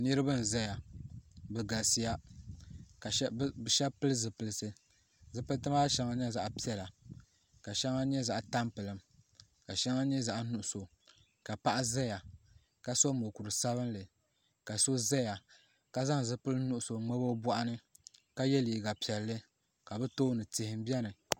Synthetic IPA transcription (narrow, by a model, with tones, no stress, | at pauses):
nɨ˦ɾɨ˦bɨ˦n̩˨za˦ja˨ | bɨ˨ɡa˨si˦ja˦ | ka˨˦bʃɛ˦pɨ˦lɨ˦zɨ˨pɨ˨lɨ˨sɨ˦ | zɨ˨pɨ˦ltɨ˦ma˦ʃɛ˦ŋa˦ɲɛ˦za˨ʔpi˦ɛ˨la˨ | ka˨ʃɛ˦ŋa˦ɲɛ˦za˦ʔta˦mpɨ˨lɨ˨m | ka˨ʃɛ˦ŋa˦ɲɛ˦za˨ʔnu˨ʔʊ˨so˨ | ka˨pa˦ʔa˦za˦ja˨ | ka˨so˦mo˨ku˨ɾɨ˨sa˦βɨ˦nlɨ˨ | ka˨so˦zɛ˦ja˨ | ka˨za˦ŋ˨zɨ˦pɨ˦lɨ˦nu˦˨ʔʊ˦so˨ŋ͡mɛ˦bo˦bɔ˦ʔa˦nɨ˦ka˦jɛ˦li˨ɡa˨pi˨ɛ˨lːɨ˦ | ka˨bɛ˦to˦nɨ˨tɪ˨hɪ˨m˦bi˦ɛ˦nɨ˨